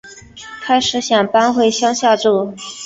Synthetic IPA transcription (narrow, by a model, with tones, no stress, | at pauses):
kʰa˥ɪʂɻ̩˧˥ɕjɑ˨˩ŋpa˥nxwe˥˩ɪɕjɑ˥ŋɕjɑ˥˧ʈ͡ʂu˥˩